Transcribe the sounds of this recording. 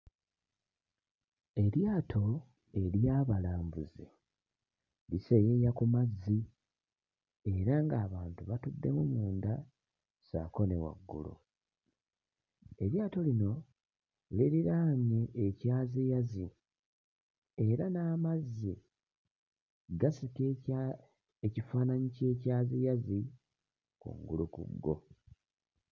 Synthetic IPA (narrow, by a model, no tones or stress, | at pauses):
e̞ɾjaːtʰo̞ | e̞ljaːβalaːmbuzḛ | lisejejakumazːi | e̞ɾaŋɡaːβaːntuβatudːe̞mumuːnd̪a | sa̰ko̞ne̞̰wa̰ɡːṵlo̰ | e̞βjaːto̞lino̞ | leɾiɾaːɲeʔːcaːzijazi | e̞ɾanaːmazːi | ɡasik | ecifaːnaɲice̞ːcaːzijazi | kṵŋɡṵlukṵɡːo̞̰